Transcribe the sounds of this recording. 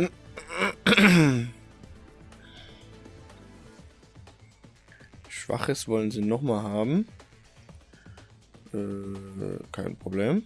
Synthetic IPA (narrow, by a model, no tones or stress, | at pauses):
ʃv̥a̰χəsv̥ɔlənziːnɔχmaːlɦaːbm̩ | ʔɛː | kʰaɪnpʁ̥obleːm